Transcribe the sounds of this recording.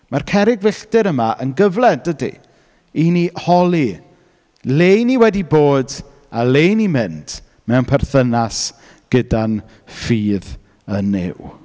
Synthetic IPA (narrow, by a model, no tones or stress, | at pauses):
markʰɛɾɪɡvɪɬtɨɾəmaʔənɡəvlɛd̥ədḭ | inihɔlˠi | lejniwɛdiboːd | aleːnimɪntʰ | mɛwnpʰɛrθənas | ɡ̥ədan | fiːð | ənːɪ̰w